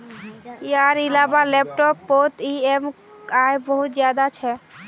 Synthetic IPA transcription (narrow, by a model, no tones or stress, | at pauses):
jaɾilabalɛp̚ʈɔpːot̪iem | aebɔɦut̪zjad̪at͡ʃʰɛ